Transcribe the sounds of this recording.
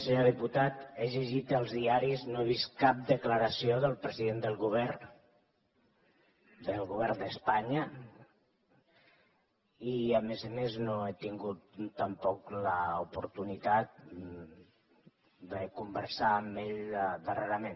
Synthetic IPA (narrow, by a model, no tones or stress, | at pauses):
səɲoðiput̪at̪eʒəʒit̪əlˠzðiaɾiznoeβ̞ist̪kap̚d̪əkləɾəsioðəlˠpɾəziðend̪əlˠɣuβɛr | d̪əlˠɣuβɛɾd̪əspaɲə | iəmezəmeznoet̪iŋɡut̪ːəmpɔkləupuɾt̪unit̪at̪̚ | d̪əkumbəɾsaːmbeʎd̪əreɾəmen